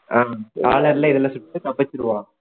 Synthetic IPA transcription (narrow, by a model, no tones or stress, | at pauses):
aːkaːlɐɾɪlɐɪðɛlːɐsʊʈːʈːɯkɐbɐt͡ʃːɪɾɯʋãː